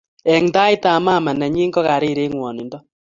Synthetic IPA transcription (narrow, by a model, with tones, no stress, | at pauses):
ɛ˨ŋta˦i˦ta˨maː˦˨ma˨na˨ɲi˦ŋɡɔ˦ka˨ɾi˦˨ɾe˦ŋwɔ˨ni˨ndɔ˦